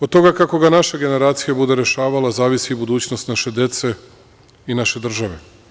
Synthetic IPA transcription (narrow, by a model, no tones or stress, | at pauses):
od̪̚t̪o̞ɡakako̞ɡanaʃeɡe̞ne̞ɾaːt̪sijebud̪e̞ɾe̞ʃaːʋalazaːʋisibud̪uːt͡ɕnost̪naʃe̞d̪je̞t̪se̞ | inaʃe̞d̪r̩ʒaʋe̞